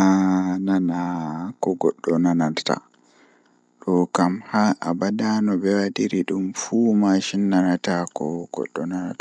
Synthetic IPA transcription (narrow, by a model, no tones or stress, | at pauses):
ananakɔɡɔɗːɔnananta̰ | ɗɔkamhaʔabadanɔbɛwadiɾiɗumfuːmaʃinːanatakɔɡ̥ɔ̰ɗːɔnana̰ta